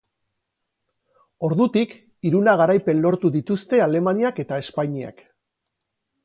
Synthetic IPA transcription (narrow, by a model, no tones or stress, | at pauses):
o̞ɾðut̪ik | iɾunaɣ̞aɾajpe̞nlo̞ɾt̪uðit̪ust̪e̞ale̞maniake̞t̪ae̞spaɲia̰k